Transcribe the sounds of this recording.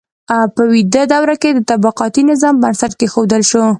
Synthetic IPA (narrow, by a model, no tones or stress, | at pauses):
awpəwid̪əd̪awɾaked̪ət̪abaqɑt̪inɪzɑmbansaʈ̪̚kexod̪əlʃo